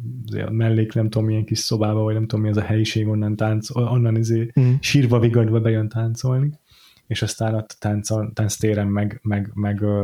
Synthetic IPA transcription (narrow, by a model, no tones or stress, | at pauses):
izḛːmɛlːeːknɛmt̪uomijɛŋkiʃso̞baːbɒvɒɟnɛmt̪oomːiɛzɒhɛjiʃeːɡo̞nːɒnt̪aːnt̪soonːɒnizeːʃiːrvɒviɡɒd̪bɒbɛjønt̪aːnt̪so̞lni | eːʃɒst̪aːnot̪ːt̪ːant̪sont̪aːnst̪eːɾɛmːɛɡmɛɡmɛɡ